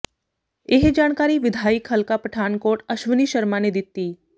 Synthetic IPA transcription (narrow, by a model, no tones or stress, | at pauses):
eɦd͡ʒaːɽ̃kaːɾiʋɪd̪ʱaːikɦəlkapɐʈʰaːnkoːɾʈɐʃʋəniːʃɐɾmaned̪ɪt̪ːiː